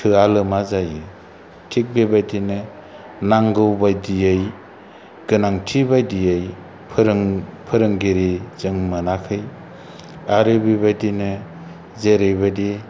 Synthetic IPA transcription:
tʰɯalɯmazajɯ | tʰik̚bebajdinɯ | naŋɡɯwbajdijɯj | ɡ̥ɯnaŋtʰibajdijɯj | pʰɾŋpʰɯɾɯŋɡiɾizɯŋmɯnakʰɯj | aɾɯbebajdinɯ | zeɾɯjbadi

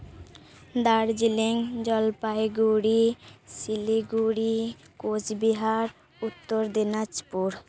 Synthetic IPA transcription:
d̪aɾd͡ʑileŋd͡ʑɔlpajɡuɾisiliɡuɽi | kot͡ɕbiɦaɾ | ut̪ːoɾd̪inad͡ʑpuɾ

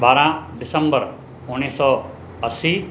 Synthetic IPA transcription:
baːɾãɖɪsə̃mbəɾ | ʊnisɔ | əsi

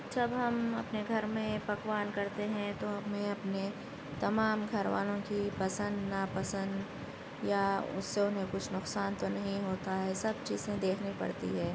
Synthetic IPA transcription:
d͡ʒɐbɦɐmɐpneɡʱɐɾmẽpɐkwaːnkɐɾt̪eɦɛ̃t̪oɦɐmɦẽɐpne | t̪ɐmaːmɡʱɐɾʋa̰ːnõkipɐsə̃nd̪napɐsə̃nd̪ | jaʊ̰sːeʊnɦẽkʊt͡ʃʰnʊqsaːnt̪onɐɦĩɦoːt̪aɦɛːsɐb̚t͡ʃiːzẽd̪eːkʰnipɐ̰ɽt̪ḭɦɛː

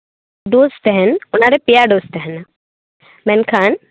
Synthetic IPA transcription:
ɖoːst̪eɦɛnʊnaɾepijaɖoːst̪eɦɛn | mɛnkʰaːn

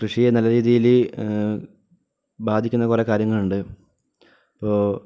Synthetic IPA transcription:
krɨʂijenɐlːɐɾiːðijil | baːd̪ʱikʲːunːɐkurekːaːɾjɐŋːɐɭuɳɖɨ | ɐpːoː

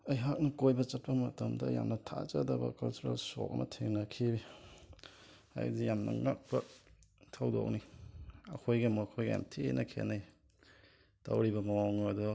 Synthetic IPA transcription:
ɐjɦak̚nɐkojbɐt͡ʃɐt̚pɐmɐtɐmdɐ̰ja̰mnɐtʰa̰t͡ʃɐdɐbɐ̰kalt͡ʃuɾalso̰kɐ̰mʔɐ̰tʰeŋnɐkʰibi | ha̰j̰zijamnɐ̰ŋak̚bɐtʰɐwdo̰k̚niɐ̰kʰojɡamokʰojɡja̰mtʰenʔɐkʰḛnaj | ta̰wɾibɐmɐwaŋadɔ

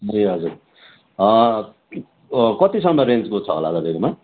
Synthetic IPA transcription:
eɦʌd͡zuɾ | ʌ | kʌt̪isʌŋmʌɾend͡zkot͡sʰʌɦo̰la̰d̪ʌd̪eɾma

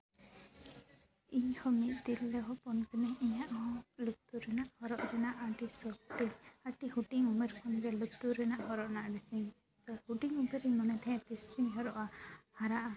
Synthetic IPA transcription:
iɲhɔmit̪̚ˀd̪ilːɛɦɔpɔnkənɛiɲaʔhɔlut̪ːuɾɛnaʔhɔɾɔʔɾɛnaʔaʈisɔk̚t̪iɲaʈihuʈiŋumɛɾkʰɔnɛɡɛlut̪ːuɾɛnaʔhɔɾɔʔnaʔɖisiɲ | t̪ɔhuʈiŋumeɾimɔnɛt̪ʰɛɛ̃t̪isiɲɦɔɾɔʔahaɾaʔa

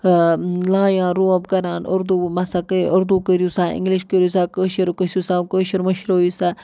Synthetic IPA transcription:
lãːjãːɾuːɐ̃bɡɐɾaːnʊɾd̪uːmasaːkəʊɾd̪uːkəɾjusãːɪ̰̃ŋɡliʃkəɾjusaːkəːʃiɾkəsjusãːkəːʃiɾmɐʃɾojusaː

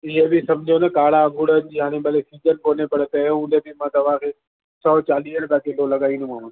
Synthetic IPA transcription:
ɪɦebɪsɐmd͡ʑʱionɐkaːɽaɐ̃ŋɡʱʊɽənɪ̆d͡ʑiːɦaːɽ̃ẽɓɐlesiːd͡ʑənkoːnepɐɽet̪ɐ̃ũnd̪ʱebɪmãːt̪ɐʋ̤ãkʰeː | sɔːt͡ɕaːliːɦəɽ̃t̪akɪlolɐɠaːĩːnd̪ũaːɦũn

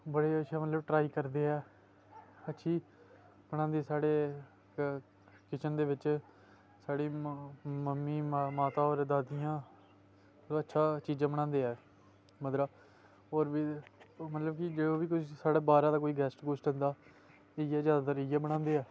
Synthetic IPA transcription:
bəɽeːəʃʰaːmət̪ləbʈɾaːiːkəɾd̪eːɛː | ətːʃʰiː | bəɽ̃ãːnd̪eːsaːɽeː | kɪt͡ʃənd̪eːʋɪt͡ʃ | saːɽeːməmːiːmaːt̪aːɔːɾd̪aːd̪ijãː | ətːʃʰaːt͡ʃiːd͡ʒãːbəɽ̃ãːnd̪eːɛː | məd̪ɾaː | ɔːɾʋiːmət̪ləbkɪd͡ʒeoːʋiːkːsaːɽaːbaːɾãːd̪aːkoːiːɡɛːsʈɡoːsʈɦə̃nd̪aː | ejɛːzjaːd̪aːd̪aɾɪjaːbəɽ̃ãːnd̪eːɛː

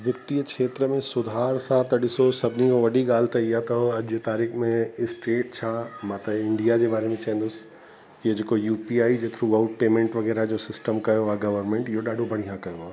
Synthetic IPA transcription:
ʋɪt̪ːiəkʃeːt̪ɾəmẽsʊd̪ʱaːɾsãt̪ɐɗɪsosɐbʱnikõʋɐɗiɠaːl̤t̪ʰɐijat̪ɐɐʄt̪aːɾiːxmẽɪsʈeːʈ̚t͡ɕʰaːmãːt̪ɐɪ̃ɳɖijad͡ʑeːbaːɾemẽt͡ɕaɦɛ̃nd̪ʊs | ɪed͡ʑeːkojuːpiaːid͡ʑet̪ʰɾuaːʊʈ̚peːmẽɳʈʋɐɣɛːɾad͡ʑoːsɪsʈəmkɐjoaːɡɐʋəɾmẽɳʈɪɦoɗaːɖʱobʱɐɽ̤̃iɦãkɐjoaː

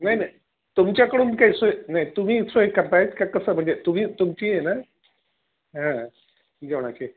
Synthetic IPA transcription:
naɦinai | t̪umt͡ɕjakəɽuːnikaisoenait̪um̤iːsʋoekəɾt̪ajet̪kakəsəːm̤əɳd͡zet̪um̤iːt̪umt͡ɕiːjena | ɦã | d͡ʑeʋɳaki

